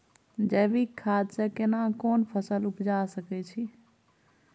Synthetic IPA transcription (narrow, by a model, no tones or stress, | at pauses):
d͡ʒəbikʰːad̪sẽkenakonpʰəsəlupd͡ʒasəkɛt͡ʃʰi